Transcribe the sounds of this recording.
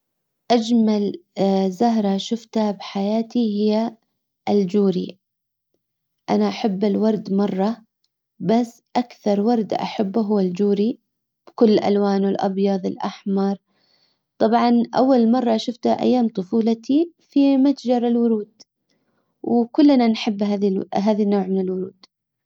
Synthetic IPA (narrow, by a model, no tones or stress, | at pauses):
ʔad͡ʒmalzaɦɾˤɑʃʊft̪abħajaːt̪ihɪjːa | ɪld͡ʒuːɾi | ʔanaʔaħabːɪlwɑɾˤd̪mɑrˤːɑ | basːʔakθɑɾˤwɑɾˤd̪ʔa̰ħabːɦʊːald͡ʒuːɾi | b̥kʊlːɪlʔa̰lwaːnwɪlʔɑ̰bjɑðˤɪ̰lʔa̰ħmɑɾˤ | t̪ˤɑbʕɑnʔa̰wːalmɑrˤːɑʃʊft̪aʔa̰jːaːmt̪ˤʊfuːlat̪ʰifimat̪d͡ʒɑɾˤɪlwʊɾuːd̪̥ | wkʊlːnanħɪbːɦaːðiɦaːðinːoːʕmɪnɪlwʊɾuːd̪̥